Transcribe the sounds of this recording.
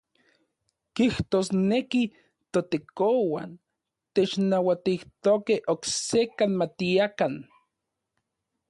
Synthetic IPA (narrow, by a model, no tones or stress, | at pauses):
kiht̪osneki | t̪ot̪ekowan | t̪et͡ʃnawat̪iht̪okehʔoksekanmat̪iakan